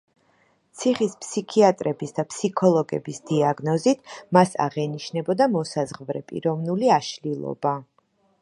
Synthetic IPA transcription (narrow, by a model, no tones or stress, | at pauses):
t̪sʰiχispʰsikʰiat̪ʼɾɛbisd̪apʰsikʰɔlˠɔɡɛ̰bisd̪̥iaɡnɔzit̪ʰmasa̰ʁɛniʃnɛbɔd̪amɔsazʁvɾɛpʼḭɾɔvnuliaʃlilˠɔ̰ba